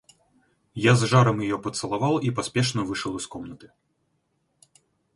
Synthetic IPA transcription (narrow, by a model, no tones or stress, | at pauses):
jazʐaɾɐmjajɔpɐt̪sɐlˠavawˠipasʲpʲɛʂnɐvɨʂɐwˠiskɔmnɐt̪ɨ̥